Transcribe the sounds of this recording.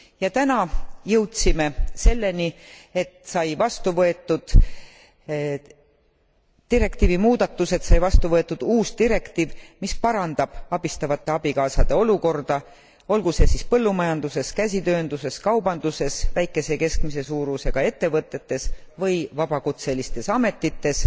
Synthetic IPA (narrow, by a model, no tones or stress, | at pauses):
jɑt̪ænɑjɤwt̪sime̞se̞lːe̞nie̞t̪sɑjvɑst̪uvɤe̞t̪ːˑud̪̥ | t̪iɾe̞kt̪iːvimuːd̪̥ɑt̪ːˑuse̞t̪sɑjvɑst̪uvɤ̞e̞t̪ːˑud̪̥uːst̪iɾe̞kt̪iːvmispɑɾɑnd̪̥ɑb̥ɑb̥ist̪ɑvɑt̪ːˑe̞ɑb̥ikɑːsɑd̪̥e̞o̞luko̞rd̪̥ɑ | o̞lɡuse̞sispɤ̞lːumɑjɑnd̪̥use̞skæsʲit̪ø̞ːnd̪use̞skɑwbɑnd̪̥use̞svæjkːˑe̞se̞ke̞skmise̞suːɾuse̞ɡ̥ɑe̞t̪ːe̞vɤt̪ˑːe̞t̪ːe̞svɤjvɑb̥ɑkut̪se̞list̪e̞sɑme̞t̪ːit̪ːe̞s